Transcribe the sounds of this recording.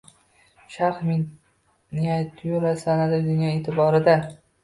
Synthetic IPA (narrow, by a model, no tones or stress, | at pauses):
ʃaɾχmɪ | nijajt̪ʰːɪjolasanad̪ɪd̪ɪŋʲaneːt̪ʰɪbɒɾɪd̪a